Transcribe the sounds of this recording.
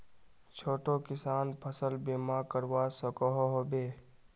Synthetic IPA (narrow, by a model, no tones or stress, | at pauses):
t͡ʃʰoːʈokɪsaːnpʰəsəlbeːmakəɾʋaːsəkɔɦoɦobeː